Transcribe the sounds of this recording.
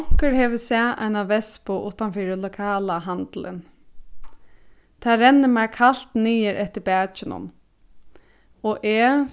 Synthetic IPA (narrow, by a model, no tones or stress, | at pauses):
ŋ̥kəɹhɛːʋəsɛːʔa̰ɪnaʋɛspʊʔʊːt̪anfiːɾɪlʊkʰaːlaɦant̪lɪ̰n | t̪ʰaːɾɛnːɪmakʰal̥t̪niːəɾʔɛht̪əɾbæːt͡ʃɪnʊ̰n | ɔʔɛː